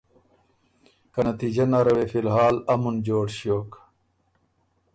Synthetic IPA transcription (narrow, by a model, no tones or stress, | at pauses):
kɐnɐt̪iːd͡ʑɐnɐɾɐwefilɦaːlɐmund͡ʑoːʈɕijoːk